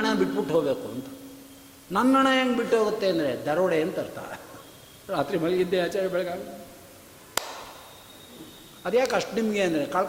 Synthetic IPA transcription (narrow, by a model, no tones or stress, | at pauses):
ɳabiʈːbiʈːɦoːbeːkuɐ̰nt̪ɐ̥ | nɐnːɐɳɐjaːŋɡbiʈːoːɡut̪ːeɐnd̪ɐɾed̪ɐɾɐʋɐɽeɐnt̪ɐɾt̪a̰ː | ɾaːt̪ɾimɐlind̪eaːt͡ʃaːɾibɛɭɐɡaːɡ̪ | ɐd̪jaːkɐʂʈnimɐɡeːɐnd̪ɾekaːɭ